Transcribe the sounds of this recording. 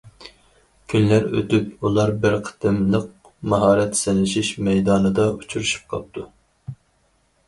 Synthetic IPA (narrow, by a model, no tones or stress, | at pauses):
kʲʰynlæɾø̰t̪ypulˠɑɾbɪɾqʰə̥t̪ʰɨmlˠəq̚ | mɑɦɑːɾɛt̪sɛnɪʃiʃmɛjd̪ɑːnɨd̪ɑut͡ʃʰuɾuʃu̥p̚qʰɑp̚t̪ʰu